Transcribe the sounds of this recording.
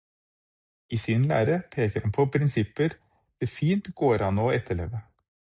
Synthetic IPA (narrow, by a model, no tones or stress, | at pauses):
iːsɪnlæ̰ːɾəpʰeːkəɾhɑnpʰɔpʰɾɪnsɪpəɾ | d̪̥eːfiːnt̪ɡoːɾɑnɔːɛt̪ʰːəɭḛːʋə